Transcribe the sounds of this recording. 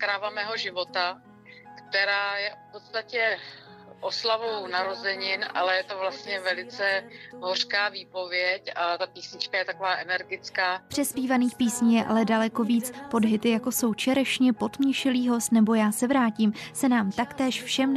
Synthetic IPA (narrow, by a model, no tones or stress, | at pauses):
kɾaːvamɛːɦo̞ʒɪvo̞t̪a | kt̪ɛɾaːjɛfpot̪st̪acɛ | ʔoslavownaɾo̞zɛɲɪnʔa̰lɛjɛt̪ovlast̪ɲɛvɛlɪt͡sɛɦor̥kaːviːpo̞vjɛcat̪apiːsɲɪt͡ʃkajɛt̪akovaːʔɛnɛɾɡɪt͡skaːpr̝̥ɛspiːvaniːxpiːsɲijɛʔa̰lɛdalɛko̞viːt͡spo̞dɦɪt̪ɪjako̞so̞wt͡ʃɛɾɛʃɲɛpo̞t̪mɲɛʃɪliːɦo̞st̪nɛbo̞jaːsɛvɾaːcimsɛnaːmt̪akt̪ɛːʃfʃɛm